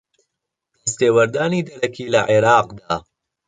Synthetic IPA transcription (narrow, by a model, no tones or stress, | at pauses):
d̪̥ɐst̪eːwɐɾd̪aːniːd̪ɐɾɐkʰiːlɐʕeɾɑːqd̪aː